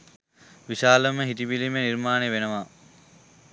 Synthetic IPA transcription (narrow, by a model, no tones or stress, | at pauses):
ʋiʃaːləməɦit̪ibilimeniɾmaːneʋenəʋaː